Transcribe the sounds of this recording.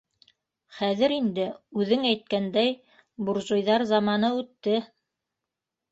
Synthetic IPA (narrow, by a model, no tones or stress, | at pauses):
χæðɘɾind̪ɘʉðɘŋæjt̪̚kænd̪æj | buɾʒŏjðɑɾzɑmɑnɤʉt̪ːɘ